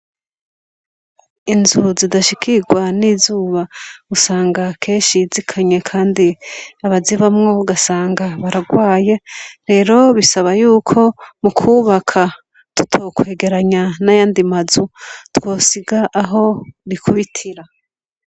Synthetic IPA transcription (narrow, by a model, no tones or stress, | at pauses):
inzuzidaʃikiɡwaniːzuːβausaːŋɡakʰe̞ːnʃizikʰaɲe̞kʰaːndiaβaziβamŋo̞uɡasaːŋɡaβaɾaɡwaːje̞ɾe̞ɾo̞βisaβajuːkʰo̞mukʰuːβakʰa | tu̥tʰokwe̞ːɡe̞ɾaɲanajaːndimazutwo̞ːsiɡaʔaɦo̞ɾikʰuβitʰiɾa